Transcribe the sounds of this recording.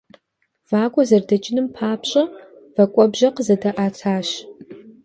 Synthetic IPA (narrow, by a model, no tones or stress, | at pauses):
v̥aːkʷɔzɐrdɐt͡ʃʼɪnɨmpʰaːpʰɕʼɐ | vɐkʷʼɔbʒɐqəzɐdɐʔaːt͡sʰaːɕ